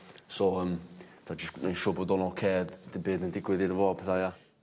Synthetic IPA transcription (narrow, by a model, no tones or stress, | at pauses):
soəmtʰad͡ʒəsneʃoːboːdɔnɔkʰɛːdd̥ɪbeːdəndɪɡwɪðɪɾəvɔːpʰɛθaja